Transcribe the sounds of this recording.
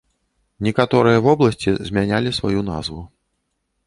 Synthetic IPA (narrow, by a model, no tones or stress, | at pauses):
nʲɛkat̪ɔɾɨjɐvɔblˠɐsʲt͡sʲizʲmʲanʲalʲisva̰juna̰zvu